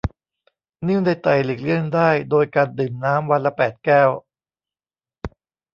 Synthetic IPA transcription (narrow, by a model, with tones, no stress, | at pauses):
nɯ˥˩ŋda˧˩jt̪a˨˩jlɯ˨˩k̚lɯ˥˩əndaː˥˩jdoː˧jkaː˧ndɯː˨˩mnaː˦˥mwa˧nla˦˥pɛː˨˩t̪̚kɛː˥˩w